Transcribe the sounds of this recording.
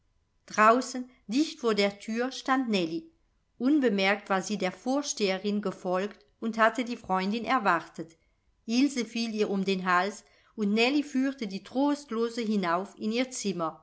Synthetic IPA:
d̥ʁaʊsən | dɪçtfoːɐdeːɐtʰyːɐʃtantnɛli | ʔʊnbəmɛɐk̚tv̥aːɐziːdeːɐfoːɐʃteːəʁɪnɡəfɔlkt | ʊnthatədiːfʁ̥ɔʏndɪnɛɐvaʁtət | ʔɪlzəfiːliːɐʊmdeːnɦals | ʊntnɛlifyːtədiːtʁ̥oːstloːzəɦinaʊfɪniːɐt͡sɪmɐ

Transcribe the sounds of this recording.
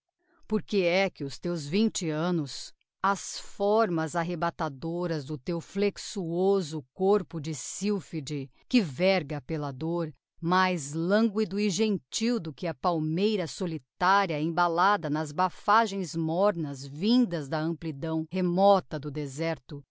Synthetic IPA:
poɾkeɛkɪʊst̪ewzvĩnt͡ʃɪɐ̃nʊs | ɐsfɔɾmɐzaɦebat̪ad̪oɾɐzd̪ʊt̪ewfleksuozʊkoɾpʊd͡ʒɪsiwfid͡ʒɪ | kɪvɛɾɡɐpelɐd̪oɾ | majzlɐ̃ŋɡwid̪ʊiʒẽnt͡ʃiwd̪ʊkɪɐpawmejɾɐsolit̪aɾiɐẽbalad̪ɐnɐzbafaʒẽj̃zmɔɾnɐzvĩd̪ɐzd̪ɐɐ̃mplid̪ɐ̃w̃hemɔt̪ɐd̪ʊd̪ezɛɾt̪ʊ

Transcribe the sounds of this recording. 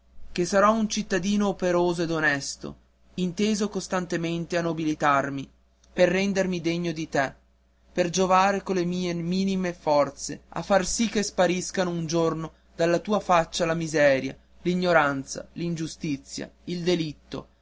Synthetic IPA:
k̟esaɾɔunt͡ʃit̪ːad̪iːnoːpeɾoːzoed̪onɛst̪o̰ | int̪eːzokost̪ant̪ement̪eanːobilit̪armi | perːɛnd̪ermid̪eɲːod̪it̪e | perd͡ʒovaːɾekolːemiːemiːnimefɔrt̪sea̰fːarsikːespaɾiskanound͡ʒorno | d̪alːat̪uːafat͡ʃːalamizɛːɾja̰ | liɲːoɾant̪sa̰lind͡ʒust̪it̪sːja̰ild̪elit̪ːo̰

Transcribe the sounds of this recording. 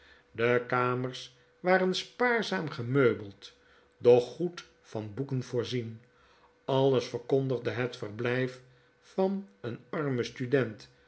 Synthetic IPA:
dəkaːməɹs | ʋaːɾənspaːɹzaːmχəmøɥbəlˠt | dɔχːut | fɑnbukənvʊːɹzin | ɑlˠəsfəɹkondəʁdəɦətfərblɛjf | fɑnənɑrməstydɛnt

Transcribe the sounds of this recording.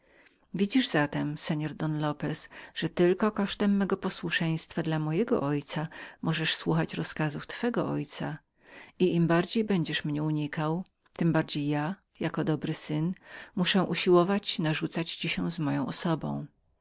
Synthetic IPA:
vʲid͡ʑiʐzat̪ɛmsɛɲɔɾd̪ɔnlɔpɛsʐ̥ɛt̪ɘlkɔkɔʂt̪ɛmːɛɡɔpɔswuʂɛj̃st̪fad̪lamɔjɛɡɔ̰ʔɔjt̪samɔʐɛʂswuxat͡ɕɾɔskazuft̪fɛɡɔ̰ʔɔjt̪sa | iʔimbaɾd͡ʑejbɛɲd͡ʑɛʂmɲɛuɲikaw | t̪ɘmbaɾd͡ʑejːa | jakɔd̪ɔbɾɘsɘnmuʂɛ̃ʔuɕiwɔvat͡ɕinaʐut̪sat͡ɕt͡ɕiɕɛzmɔjɔ̃w̃ɔsɔbɔ̰̃w̃

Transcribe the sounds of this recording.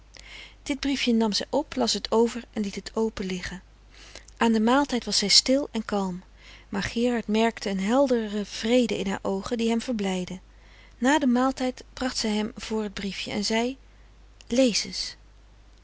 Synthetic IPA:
d̥ɪd̚brifjənɑmzɛjʔɔplɑsətʰowvəɹɛnlitɦətʰowpəlɪχən | ʔaːndəmaːlˠtɛjtʋɑsɛjstɪlˠɛnkɑlˠm | maːɹχɪːrɑɹtmɛɹktəənɦɛlˠdərəv̥rejdəʔɪnɦa̰ːɹʔowχəndiɦɛmv̥əɹblɛjdə | naːdəmaːlˠtɛjtb̥rɑχtsɛjɦɛmv̥ʊːɹɦəd̚brifjəɛ̰nzɛj | lejzəs

